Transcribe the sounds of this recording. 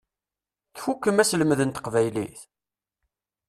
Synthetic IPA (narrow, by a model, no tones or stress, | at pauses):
θfukːəmæsləməðənt̪ə̥qvæjliθ